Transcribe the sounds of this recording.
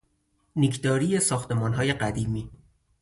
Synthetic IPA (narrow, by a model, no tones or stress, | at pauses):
nikʰd̪ɒːɾijesɒːxt̪e̞mɒːnɦɒːje̞ɢæd̪iːmiː